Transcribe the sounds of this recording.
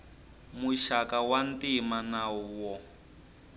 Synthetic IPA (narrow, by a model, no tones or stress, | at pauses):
muʃakawantimanaɔwɔ